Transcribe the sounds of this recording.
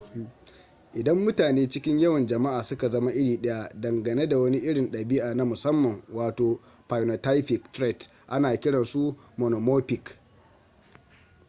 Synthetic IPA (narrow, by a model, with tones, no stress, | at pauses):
ʔɪ˨dɐ˦mːʊ˦taː˨neː˦t͡ʃɪ˦kʲɪ˦ɲjɐ˦wɐ˨nd͡ʒɐ˨ma˦ʔaː˨sʊ˦ka˨zɐ˦ma˦ʔɪ˦ɽiː˨ɗɐ˦ja˦dɐ˨ŋɡɐ˨ne˦da˨wɐ˦ni˦ʔɪ˦ɽɪ˨nɗɐ˨bɪ˦ʔaː˨na˦mʊ˨sɐ˦mːɐ˨ŋwaː˨toː˨ | pa˨jno˨ta˦jɸɪ˨ktɾɛ˦˨t | ʔa˦naː˨kʲɪ˦ɽɐ˨nsu˦ | mo˨no˨moː˦pɪ˨k